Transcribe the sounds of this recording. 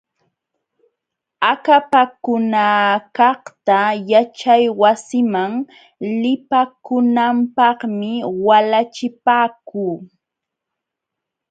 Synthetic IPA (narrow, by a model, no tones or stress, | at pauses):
akapakʊnakɑχt̪ajat͡ʃajwasɪmaŋ | lɪpakʊnampɑχmɪwalat͡ʃɪpaːkuː